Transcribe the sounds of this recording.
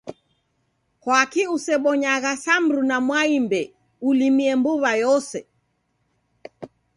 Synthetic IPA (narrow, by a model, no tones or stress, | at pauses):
hwakiusɛɓɔɲaɣasambɾunamwaimbɛ | ulimiɛmbuβajɔsɛ